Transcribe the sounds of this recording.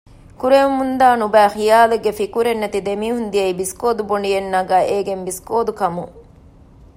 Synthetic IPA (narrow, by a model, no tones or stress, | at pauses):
kuɾeumund̪aːnubæːxijaːleɡefikuɾenːɐt̪id̪emiːɦund̪ijɐibiskoːd̪uboɳɖijenːaɡæːʔeːɡembiskoːd̪ukɐmuŋ